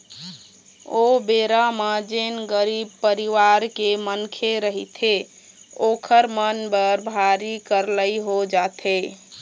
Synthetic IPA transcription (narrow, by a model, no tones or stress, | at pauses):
obeɾamãd͡ʒenɡəɾib̚pəɾiʋaɾkemənkʰeɾəɦit̪ʰe | okʰəɾmənbəɾbʱaɾikəɾləjɦod͡ʒat̪ʰe